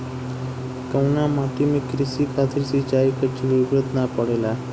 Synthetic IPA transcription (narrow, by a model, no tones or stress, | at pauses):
kəwnamaʈimiːkɾisikʰat̪iɾsit͡ɕaikət͡ɕiʋibɾət̪napəɽela